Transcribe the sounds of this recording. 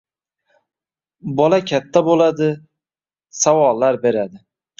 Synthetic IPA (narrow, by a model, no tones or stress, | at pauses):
bɒlakʲʰat̪ʰːabolad̪ɪ | sawɒlˠːaɾbe̞ɾad̪ɪ